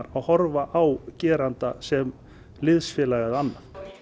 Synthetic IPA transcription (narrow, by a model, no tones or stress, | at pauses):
ɾawhɔɾvaʔawcɛːɾant̪asɛm | lɪðsfjɛːlaːɣaðanːaf